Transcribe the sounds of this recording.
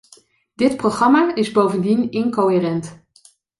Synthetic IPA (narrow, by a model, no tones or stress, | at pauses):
d̥ɪtprowχrɑmaːɪzbowvəndinɪnkowɦeːrɛnt